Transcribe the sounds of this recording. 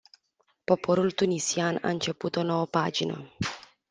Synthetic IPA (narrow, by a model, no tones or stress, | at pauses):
po̞pʰo̞ɾult̪unisiana̰ɨnt͡ʃe̞put̪o̞no̞wəpad͡ʒinə̰